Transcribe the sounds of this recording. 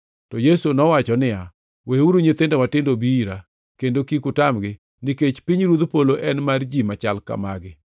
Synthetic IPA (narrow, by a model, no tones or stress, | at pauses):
tɔjesonɔwat͡ʃɔnɪa | weuɾoɲet̪endomatɪndobiiɾa | kendokikʊtamɡɪ | niket͡ʃpiɲɾud̪poloʔɛnmard͡ʒimat͡ʃalka̰maɡɪ